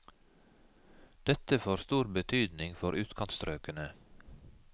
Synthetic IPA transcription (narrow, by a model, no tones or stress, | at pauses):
d̪̥ɛt̪əfoːɾst̪uːɾbət̪ʰyːd̪nɪŋfɔɾʔʉːt̪kʰɑnt̪st̪ɾøːkənə